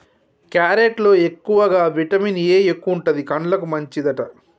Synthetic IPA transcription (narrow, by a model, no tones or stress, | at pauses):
kjaːɾeʈlo̞ːe̞kːuʋɐɡaːʋiʈɐmineːekːuuɳʈɐd̪ikɐɳlɐkumɐɲt͡ʃid̪ɐʈɐ